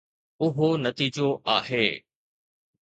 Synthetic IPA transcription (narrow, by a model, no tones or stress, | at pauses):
ʊɦonɐt̪iːd͡ʑoʔaːɦeː